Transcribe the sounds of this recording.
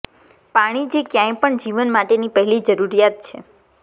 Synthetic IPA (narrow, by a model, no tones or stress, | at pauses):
paɽ̃id͡ʒekjãj̃pəɳd͡ʒiʋənmaʈenipəɦɛlid͡ʒəɾuɾijat̪̚t͡ʃʰḛ